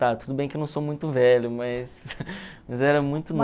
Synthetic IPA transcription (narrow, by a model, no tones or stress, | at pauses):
t̪at̪ud̪ʊbẽj̃kɪnɐ̃w̃somũj̃t̪ʊvɛʎʊmɐs | mɐzɛɾɐmũj̃t̪ʊn